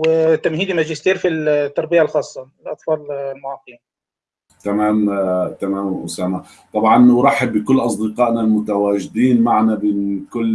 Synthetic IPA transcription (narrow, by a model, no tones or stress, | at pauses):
wɪt̪ːamhiːd̪imad͡ʒɪst̪iːɾfilt̪ːɑɾˤbɪjalxɑːsˤːɑɪlʔɑt̪ˤfɑːllmʊʕɑːqːi | t̪amaːmt̪amaːmʔʊ̰saːma | t̪ˤɑbʕɑnwɾˤɑħɪbːɪkʊlːʔɑsˤd̪ɪqɑːʔnalmʊt̪awaːʒɪd̪iːnmaʕnabɪnkʊlː